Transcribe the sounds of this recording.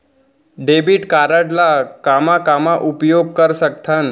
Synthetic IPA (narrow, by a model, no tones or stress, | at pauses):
ɖebiʈkaɾəʈlakamakamaʔupjoɡ̚kəɾsək̚t̪ʰan